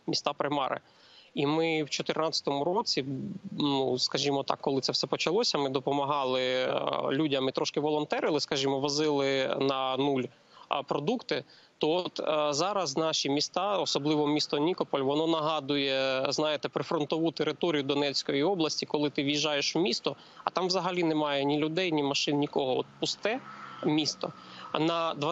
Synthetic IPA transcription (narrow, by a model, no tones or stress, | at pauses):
mʲist̪ɑpɾɪmɑ̰ɾɪ̰ | imɪwt͡ʃɔt̪ɪrnɑt͡sʲɐ̥t̪ɔmʊɾɔt͡sʲinuskɐʒʲimɔt̪ɑ̰kːɔlˠɪt̪sɛfsɛpɔt͡ʃɐlˠɔsʲɐmɪd̪ɔpɔmɐɦɑlˠɪlʲudʲɐmɪt̪ɾʔɔʃkɪʋɔlˠɔnt̪ɛɾɪlˠɪskɐʒʲimɔʋɐzɪlˠɪnɐnulʲ | pɾɔd̪ukt̪ɪ | t̪ɔɔt̪zɑɾɐznɑʃimʲist̪ɑɔsɔblˠɪʋɔmʲist̪ɔnʲikɔpɔlʲʋɔnɔnɐɦɑd̪ʊjɛznɑjɪt̪ɛpɾɪfɾɔnt̪ɔʋut̪eɾɪt̪ɔɾʲijʊd̪ɔnɛt͡sʲkɔjiɔblˠɐsʲtʲikɔlˠɪt̪ɪʋjiʒɑjeʃwmʲist̪ɔ | ɐ̰t̪ɑmʋzɐɦɐlʲinɛmɑjɛnʲilʲʊd̪ɛjnʲimɐʃɪnnʲikɔɦɔɔ̰t̪̚pʊst̪ɛmʲist̪ɔnɐd̪ʋɐ